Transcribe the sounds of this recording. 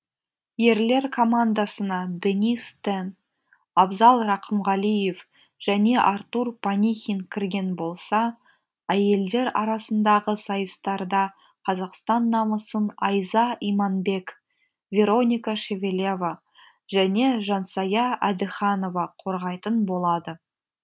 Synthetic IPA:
je̞ɾle̞ɾkʰo̞mand̪ɑsənɑd̪enʲist̪en | ɑbzɑlˠrɑqʰəmʁɑlˠije̞f | ʒ̥æne̞ʔɑɾt̪uɾpʰanʲixʲiŋkʲʰɪɾɡʲe̞nbo̞lˠsɑ | æje̞ld̪e̞ɾɑɾɑsənd̪ɑʁəsɑjəst̪ɑɾd̪ɑ | qʰɑzɑqst̪ɑnːɑməsənɑjzɑimɑnbe̞k | vʲe̞ɾo̞nʲijkaʃe̞vʲelʲeva | ʒæne̞ʒɑnsɑjɑæd̪ɪχɑno̞vɑqʰo̞ɾʁɑjt̪ənbo̞lˠɑd̪ə

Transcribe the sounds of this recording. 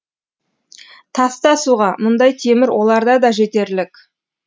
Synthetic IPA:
t̪ʰɑst̪ɑsuʁɑmʊnd̪ɑjt̪ʰe̞mɪɾwʔo̞lˠɑɾd̪ɑd̪ɑʒe̞t̪e̞ɾlɪk

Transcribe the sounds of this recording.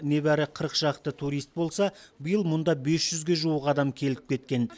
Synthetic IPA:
ne̞bæɾɪqʰəɾəqʒ̥ɑqt̪ət̪ʰuɾijst̪̚bo̞lˠsɑbəjəlˠmʊnd̪ɑbe̞sʒ̥ʏzɡʲe̞ʒuwəqɑd̪ɑmkʲʰe̞lɪp̚kʲʰe̞t̪̚kʲe̞n

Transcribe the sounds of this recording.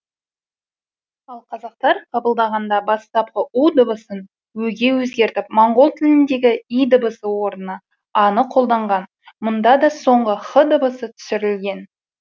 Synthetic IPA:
ɑlˠqʰɑzɑq̚t̪ɑɾqʰɑbəlˠd̪ɑʁɑnd̪ɑbɑst̪ɑp̚qəʔud̪əbəsən | wɵɡʲe̞wɵzɡʲe̞ɾt̪ɪp̚moɴʁo̞lˠt̪ʰɪlɪnd̪e̞ɡʲɪijd̪əbəsəwo̞ɾənə | ɑnəqʰo̞lˠd̪ɑɴʁɑn | mʊnd̪ɑd̪ɑso̞ɴʁəχəd̪əbəsət̪ʰʏ̥sɪɾɪlɡʲe̞n

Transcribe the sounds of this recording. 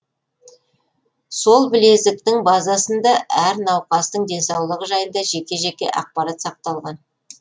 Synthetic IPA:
so̞lˠbɪle̞zɪk̚t̪ɪŋbɑzɑsənd̪ɑʔæɾnɑwqɑst̪əɴd̪e̞nsɑwlˠəʁəʒɑjənd̪ɑʒe̞kʲe̞ʒe̞kʲe̞̰ʔɑ̰q̚pɑɾat̪sɑq̚t̪ɑlˠʁɑn

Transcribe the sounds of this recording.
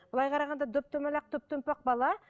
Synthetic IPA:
b̥əlˠɑjqʰɑɾɑʁɑnd̪ɑd̪ɵp̚t̪ɵmælɑq̚d̪ɵp̚t̪ɵmpɑq̚bɑlˠɑ

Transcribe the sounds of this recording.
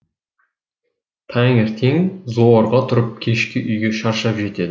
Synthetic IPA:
t̪ʰɑŋeɾt̪ʰe̞ŋzoɾʁɑt̪ʰʊɾəp̚kʲʰe̞ʃkʲɪʔʏjɡʲe̞ʃɑɾʃɑpʒe̞t̪e̞d̪ɪ

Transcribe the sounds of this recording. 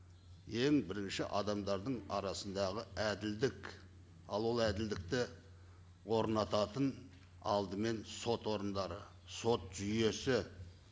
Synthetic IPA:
e̞ŋbɪɾɪnʃɪʔɑd̪ɑmd̪ɑɾd̪əɴɑɾɑsənd̪ɑʁəæd̪ɪld̪ɪk | ɑlˠwo̞lˠæd̪ɪld̪ɪk̚t̪ɪ | wo̞ɾnɑt̪ɑt̪ən | ɑ̰lˠd̪əme̞nso̞t̪wo̞ɾənd̪ɑɾə | so̞t̪ʒ̥ʏje̞sɪ

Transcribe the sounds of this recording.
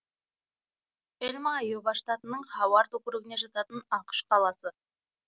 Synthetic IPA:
elʲmɑjebɑʃt̪at̪ənəɴχɑwɑɾt̪ʰɵkʲɾɪɡʲɪne̞ʒɑt̪ɑt̪ənɑqə̥ʃqɑlˠɑsə

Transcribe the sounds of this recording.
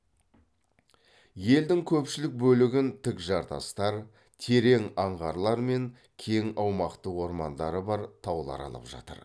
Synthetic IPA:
je̞ld̪ɪŋkʲʰɵpʃɪlɪk̚bɵlɪɡʲɪnt̪ʰɪkʒɑɾt̪ɑ̰st̪ɑɾ | t̪ʰe̞ɾe̞ŋɑɴʁɑɾlˠɑɾme̞ŋ | kʲʰe̞ŋɑwmɑqt̪əwo̞ɾmɑnd̪ɑɾəbɑɾt̪ʰɑwlˠɑ̰ɾɑ̰lˠə̰pʒɑ̰t̪ə̰ɾ

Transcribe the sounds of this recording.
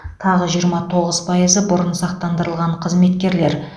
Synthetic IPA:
t̪ʰɑʁəʒijəɾmɑt̪ʰo̞ʁəz̥pʰɑjəzəbʊɾənsɑq̚t̪ɑnd̪əɾəlˠʁɑɴqʰəzme̞t̪kʲe̞ɾle̞ɾ

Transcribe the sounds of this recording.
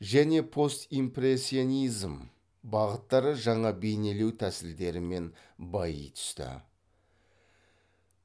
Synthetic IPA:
ʒæne̞pʰo̞st̪impɾesʲːio̞nijzm | bɑʁət̪ːɑɾəʒɑɴɑbe̞jne̞le̞wt̪ʰæsɪɾd̪e̞ɾɪme̞n | bɑjə̰jt̪ʰʏ̥st̪ɪ̰

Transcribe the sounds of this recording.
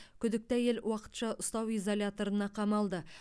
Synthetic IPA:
kʲʰʏd̪ɪk̚t̪æje̞lwɑqə̥t̪ʃɑʔʊst̪ɑwijzolʲjat̪o̞ɾənɑqʰɑmɑlˠd̪ə

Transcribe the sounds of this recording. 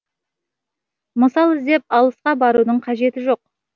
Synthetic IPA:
məsɑlˠɪzd̪e̞p̚ɑlˠəsqɑbɑɾud̪əɴqʰɑʒe̞t̪ɪʒo̞q̚

